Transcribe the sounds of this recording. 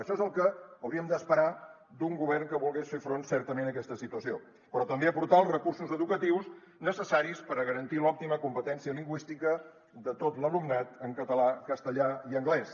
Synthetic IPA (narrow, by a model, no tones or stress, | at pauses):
əʃɔezəlˠkəəwɾiəmd̪əspəɾa | d̪uŋɡuβɛrŋkəβulˠɣesfefɾonsɛɾt̪əmenəkɛst̪əsit̪uəsio | pəɾɔt̪əmbeəpuɾt̪aəlˠzrəkursuzəðukət̪iws | nəsəsaɾispəɾəɣəɾənt̪ilɔp̚t̪iməkumpət̪ɛnsiəliŋɡwist̪ikə | ðət̪ot̪ləlumnat̪əŋkət̪əlakəst̪əʎaiəŋɡlɛs